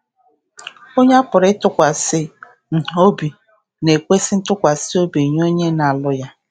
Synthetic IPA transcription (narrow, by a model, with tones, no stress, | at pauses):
o˦ɲe˦a˦pʊ˨ɾɪ˦tʊ˦kʷa˨sɪ˦˨ | o˦bi˨ | ne˨kʷe˦sɪ˦n̩˦tʊ˦kʷa˨sɪ˦o˦bi˨ɲ˦o˦ɲe˦na˨a˨lʊ˦ja˦